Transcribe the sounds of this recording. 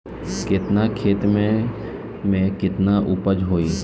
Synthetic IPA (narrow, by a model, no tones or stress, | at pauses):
kɪt̪nakʰeːt̪mẽ | mẽkɪt̪naʔʊpəd͡ʒɦoːiː